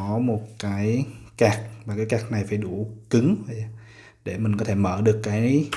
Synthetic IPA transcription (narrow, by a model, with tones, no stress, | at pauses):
ɔ˨˦mo˨˩t̚kaː˨˦jkaː˨˩k̚vaː˨˩kaː˨˦jkaː˨˩k̚na˨˩jfaː˧˩˦jɗu˧˩kɨ˨˦ŋvə˨˩a˨˧˩ | ɗe˧˩mi˨˩ŋ̟kɔ˨˦t̪ʰe˧˩mə̰ː˧˩ɗɨ˨˩əkːaː˨˦j